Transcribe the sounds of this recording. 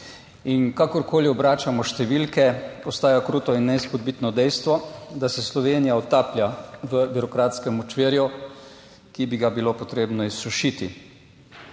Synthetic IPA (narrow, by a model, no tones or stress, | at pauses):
inkakɔɾkoːliɔbɾaːt͡ʃamɔʃt̪ɛʋilkɛɔst̪aːjakɾuːt̪ɔinːɛspod̪̚bit̪nɔd̪ɛjst̪ʋɔd̪asɛslɔʋeːnijaɔt̪aːpljaʋəbiɾɔkɾaːt̪skɛmɔt͡ʃʋeːɾju | kibiɡabilopɔt̪ɾeːbnɔisːuʃit̪i